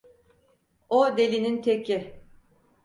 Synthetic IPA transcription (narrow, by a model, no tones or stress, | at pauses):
od̪e̞lʲinint̪ʰecʰi